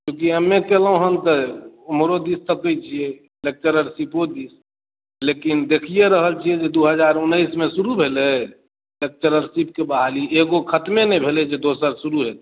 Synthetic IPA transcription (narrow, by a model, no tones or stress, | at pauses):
kjõkiəmːekelɦũɦənt̪əomɾod̪ist̪əkəjt͡ʃʰije | lek̚t͡ʃəɾəɾsipod̪is | lekind̪ekʰijeɾəɦəlt͡ʃʰiɛd͡ʒed̪uɦəd͡ʒaɾunːəismesuɾubʱelɛ | lek̚t͡ʃəɾəɾsip̚kebaɦalieɡokʰət̪menɛbʱelɛed͡ʒed̪osəɾsuɾuɦet̪